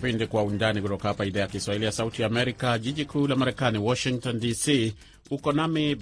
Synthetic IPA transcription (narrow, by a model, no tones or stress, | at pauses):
pindikwaundanikutɔkahapaiðajakiswahilijasautijaːmɛɾikaʄiʄikʰulamaɾɛkaniwɔʃiŋktɔndisiː | ukɔnami